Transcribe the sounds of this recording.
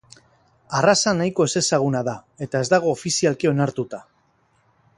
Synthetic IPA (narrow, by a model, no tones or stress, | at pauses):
arasanajko̞e̞se̞saɣ̞unaðae̞t̪ae̞zd̪aɣ̞o̞ːfisialkio̞naɾt̪ut̪a